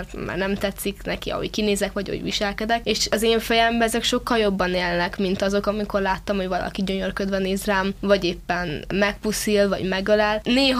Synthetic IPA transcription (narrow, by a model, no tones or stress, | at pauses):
rma̰ːrnɛmt̪ɛt̪sːiknɛkiɒ̰hoɟ̥kineːzɛkʋɒɟɒ̰o̰ɟʋḭʃɛlkɛd̪ɛkeːʃɒzeːɱfɛjɛmbɛɛzɛkʃo̞kːɒljo̞bːɒneːlnɛkmint̪ɒzo̞kɒmiko̞rlaːt̪ːɒmho̞ɟvɒlɒ̰kiɟo̞ɲo̞rkød̪vɛneːzraːmvɒɟeːpːɛnmɛk̚pusilvɒ̰ɟmɛɡølɛlneːɦ